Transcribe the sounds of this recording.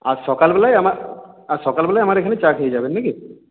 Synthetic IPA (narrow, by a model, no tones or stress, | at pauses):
asɔːkalbɛlajɐmaasɔːkalbɛlajɐmaɾekʰanet͡ʃakʰejd͡ʒaːbenːiki